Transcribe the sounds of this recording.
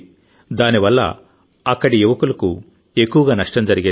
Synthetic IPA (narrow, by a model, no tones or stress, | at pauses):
d̪aːniʋɐlːɐ̰ | ɐkːɐɽijuʋɐkulɐku | e̞kːuʋɐɡaːnɐʂʈɐmd͡ʒɐɾiɡe